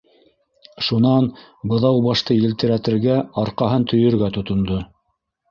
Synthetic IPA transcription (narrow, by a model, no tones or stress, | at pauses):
ʃunɑn | bɤ̆ðɑwbɑʃt̪ɤjɘ̆lt̪ɘ̆ɾæt̪ɘ̆ɾɡæɑɾqɑɦɤnt̪ʰɵ̆jɵ̆ɾɡæt̪ŏt̪ŏnd̪o